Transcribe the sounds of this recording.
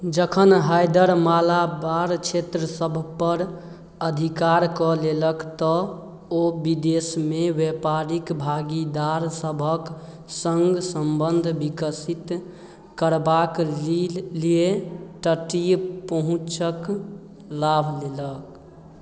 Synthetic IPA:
d͡ʒəkʰənɦajd̪əɾmalabaɾt͡ʃʰet̪ɾəsəbʱpəɾ | əd̪ʱikaɾkɔleləkt̪ɔ | obid̪esmewepaɾikbʱaɡid̪aɾsəbʱək | səŋɡsəmbənd̪ʱbikəsit̪ | kəɾbakilieʈəʈijpəɦũt͡ʃək | labʱlelək

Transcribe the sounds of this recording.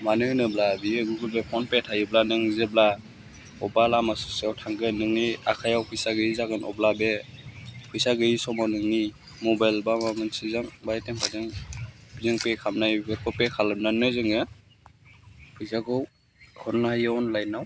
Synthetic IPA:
manɯnɯblabiɯɡɯɡɯlbepʰɔnpetʰajɯblanɯŋzebla | ɔbalamasɔ̥siawtʰaŋɡɯnɯŋniakʰajawpʰɯjsaɡɯizaɡɯnɔ̰blabe | pʰɯjsaɡɯisɔmanɯŋni | mɔbajlbamamɯnsizaŋbajteŋpʰazɯŋbʰizɯŋpekʰamnajɡɯɾkʰɔpekʰalɯbnanɯzɯŋɯ | pʰɯjzaɡɔw | hɔɾnahajawnlajnaw

